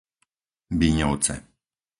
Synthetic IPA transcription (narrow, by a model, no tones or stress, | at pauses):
biɲɔw̪t͡sɛ̰